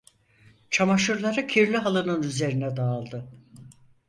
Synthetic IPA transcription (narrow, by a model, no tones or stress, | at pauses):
t͡ʃʰamaʃuɾlˠaɾɯcʰiɾlʲiɦalˠɯnɯnyze̞ɾinɛd̪aːlˠd̪ɯ